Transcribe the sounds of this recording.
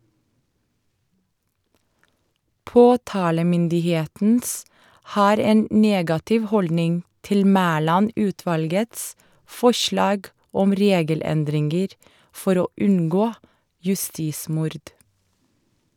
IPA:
ˈpoːtɑːləmʏndɪˌheːtn̩s ˈhɑːɾ ˈeːn ˈneːɡɑtɪʋ ˈhɔldnɪŋ ˈtɪl ˈmæːlɑˌnʉːtʋɑlɡəts ˈfɔʃlɑːɡ ˈɔm ˈɾeːɡəˌlɛndɾɪŋɡəɾ ˈfɔɾ ˈoː ˈʉŋɡoː jʉˈstiːˌsmʊɾd

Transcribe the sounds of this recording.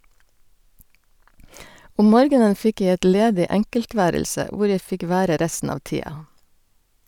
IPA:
ˈɔm ˈmoːɾɡənə ˈfɪk ˈjæɪ ˈɛt ˈleːdɪ ˈæŋkəlˌtʋæːɾəlsə ˈʋʊɾ ˈjæɪ ˈfɪk ˈʋæːɾə ˈɾæstn̩ ˈɑːʋ ˈtiːɑ

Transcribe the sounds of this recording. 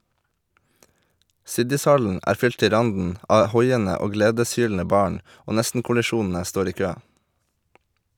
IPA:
ˈsɪdɪsˌhɑln̩ ˈæːɾ ˈfʏl ˈtɪ ˈɾɑndn̩ ˈʔɑː ˈhɔʏənə ˈoː ˈɡleːdəsˌhyːln̩ə ˈbɑːɳ ˈoː ˈnɛstn̩kʊlɪˌʃuːnn̩ə ˈstoːɾ ˈiː ˈkøː

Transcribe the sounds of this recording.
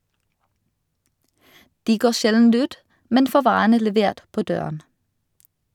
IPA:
ˈdiː ˈɡoː ˈʃɛln̩ ˈʉːt ˈmɛn ˈfoː ˈʋɑːʁənə lɛˈʋeːʁt ˈpoː ˈdøːʁən

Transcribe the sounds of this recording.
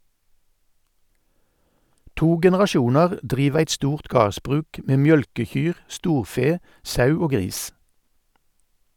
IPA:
ˈtuː ɡɛnɛʁɑˈʃuːnɑʁ ˈdʁiːʋ ˈæɪt ˈstuːʁt ˈɡɑːʁsbʁʉːk ˈʔmeː ˈmjœlkəˌçyːʁ ˈstuːʁˌfeː ˈsɑʉ ˈoː ˈɡʁiːs

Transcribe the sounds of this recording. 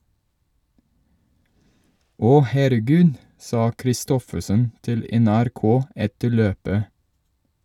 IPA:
ˈɔ hæɾəˈɡʉːd ˈsɑː kɾɪˈstɔfəsən ˈtɪl ɛnæɾˈkoː ˈɛtə ˈɭøːpə

